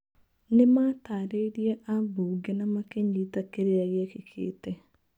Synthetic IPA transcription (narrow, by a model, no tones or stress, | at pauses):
nemaːtaːɾeɾiɛʔabuːɡɛnamakeɲitakeɾeaɣɛkekʰḛːtɛ